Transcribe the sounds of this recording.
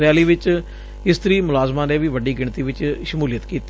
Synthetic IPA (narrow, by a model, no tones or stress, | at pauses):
ɾjaːliːʋɪt͡ʃ | ɪst̪əɾiːmʊlaːzmãːneːʋiːʋəɖiːɡɪɳt̪iːʋɪt͡ʃʃəmuːlɪjət̪kiːt̪ː